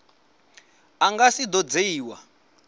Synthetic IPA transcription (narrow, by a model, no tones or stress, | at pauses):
aŋɡasid̪ɔd͡zeiːwa̰